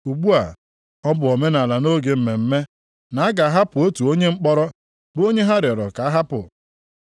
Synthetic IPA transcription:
u˨ɡ͡bu˦a̰˨ | ɔ˦bʊ˨ɔ˨me˦na˨la˨no˦ɡe˨m̩˨me˨m̩˦me˦ | na˨a˦ɡa˨a˦ɦa˦pʊ˨o˦tu˨o˦ɲe˦ŋ͡m̩˦k͡pɔ˦ɾɔ˦ | bʊ˦o˦ɲe˦ɦa˦ɾɪ˨ɔ˨ɾɔ̰˨ka˨a˦ɦa˦pʊ̰˨

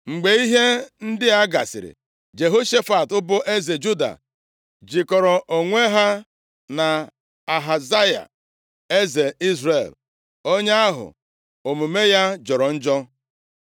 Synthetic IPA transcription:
ŋ͡m̩˨ɡ͡be˨i˦ɦe˦n̩˦dɪ˦a˦ɡa˨sɪ̰˨ɾɪ̰˨ | d͡ʒe˨ɦo˦ʃe˦fa˨tʊ˦bʊ˦ʔe˦ze˨d͡ʒu˦da̰˨ | d͡ʒi˨kɔ˨ɾɔ˨ʔo˨ŋʷe˦ɦa˦ | na˨ | a˨ɦa˨za˦ja̰˨ | e˦ze˨i˦zɾe˨l | o˦ɲe˦a˦ɦʊ̰˨ | o˨mu˨me˦ja˦d͡ʒɔ˨ɾɔ˨n̩˦d͡ʒɔ˦

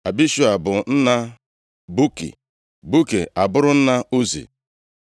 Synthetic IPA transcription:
a˨bi˦ʃu˦a˨bʊ˨n̩˦na˦ | bu˦kḭ˨ | bu˦kḛ˨a˨bʊ˦ɾʊ˦n̩˦na˦u˦zḭ˨

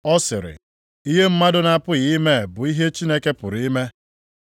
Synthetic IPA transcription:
ɔ˦sɪ̰˨ɾɪ̰˨ | i˦ɦe˦m̩˦ma˦dʊ˦na˨pʊ˦ɣi˦me˦˨bʊ˨i˦ɦe˦t͡ʃi˦ne˦ke˦pʊ˨ɾi˦me˦

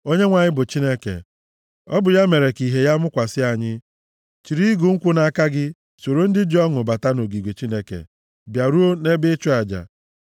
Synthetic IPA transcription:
o˦ɲe˦ŋʷa˨ɲɪ˦bʊ˨t͡ʃi˦ne˦kḛ˨ | ɔ˦bʊ˨ja˦me˨ɾe˨ki˨ɦe˨ja˦mʊ˦kʷa˨sɪ˦a˨ɲɪ˦ | t͡ʃi˨ɾi˦ɡu˨ŋ̩˦kʷʊ˦na˨ka˦ɡɪ˦ | so˨ɾo˦n̩˦dɪ˦d͡ʒɔ˦ŋʊ˨ba˨ta˦no˨ɡi˨ɡʷe˨t͡ʃi˦ne˦kḛ˨ | bja˨ɾu˦o˦ne˦bɪ˦t͡ʃʊ˦a˨d͡ʒa̰˨

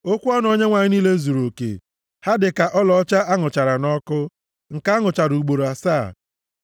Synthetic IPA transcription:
o˦kʷu˦ɔ˦n˦o˦ɲe˦ŋʷa˨ɲɪ˦ni˦le˦zu˨ɾo˨kḛ˨ | ha˦dɪ˨ka˨ʔɔ˦lɔ˨˦t͡ʃa˦ʔa˦ŋʊ˨t͡ʃa˨ɾa˨nɔ˦kʊ˦ | ŋ̩˨ka˦ŋʊ˨t͡ʃa˨ɾu˨u˨ɡ͡bo˨ɾo˨a˨saː˦˨

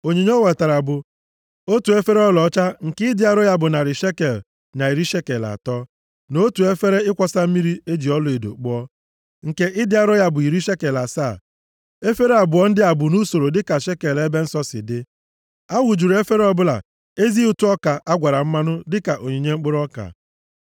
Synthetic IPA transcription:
o˨ɲe˨ɲe˦o˦we˨ta˨ɾa˨bʊ˨ | o˦tu˨e˦fe˦ɾe˦ɔ˦lɔ˨˦t͡ʃa˦ŋ̩˨kɪ˦dɪ˦a˦ɾɔ˦ja˦bʊ˨na˨ɾɪ˨ʃe˦ke˨l | na˨i˨ɾi˦ʃe˦ke˨la̰˨tɔː˦ | no˦tu˨e˦fe˦ɾe˦ɪ˦kʷɔ˦sa˦m̩˦mi˦ɾi˦e˦d͡ʒi˨ɔ˦lʊ˨e˨do̰˨k͡pʊ˦ɔ˦ | ŋ̩˨ke˦ʔɪ˦dɪ˦a˦ɾɔ˦ja˦bʊ˨i˨ɾi˦ʃe˦ke˨la˨sa˦˨ | e˦fe˦ɾe˦a˨bʊ˨ɔ˦n̩˦dɪ˦a˨bʊ˨nu˦so˨ɾo˨dɪ˦ka˨ʃe˦ke˨le˦be˦n̩˦sɔ˦sɪ̰˨dɪ˦ | a˦wu˨d͡ʒu˨ɾe˦fe˦ɾe˦ɔ˦bʊ˦la̰˨ | e˦zi˦u˨tu˦ɔ˦ka˨ʔa˦ɡʷa˨ɾa˨m̩˦ma˦nʊ˦dɪ˦ka˨ʔo˨ɲe˨ɲe˦ŋ͡m̩˦k͡pʊ˦ɾɔ˦ka̰˨

